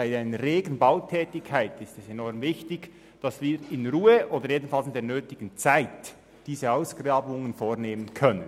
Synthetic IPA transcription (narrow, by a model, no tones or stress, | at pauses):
aɪaɪnəʁeːɡn̩baʊtʰɛːtɪkʰːaɪtɪstɛsɛnɔɾmvɪçtɪɡ | d̥ɑsviːɾɪnɾuːəʔoːdəɾjeːdn̩fɑlsɪndeːɐnøːtɪɡ̥ən̩t͡saɪt | d̥iːzəaʊsɡ̥rɑːbʊŋənfoːɾneːmənkʰœnən